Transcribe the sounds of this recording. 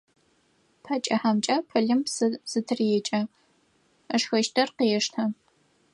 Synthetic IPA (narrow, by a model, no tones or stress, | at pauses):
pʰɐt͡ʃʼɐħamt͡ʃʼɐpʰɐɮɨmssɨtʰɨrjɛt͡ʃʼɐ | ɐʂxɐʃtʰɐrqiɛʂtʰɐ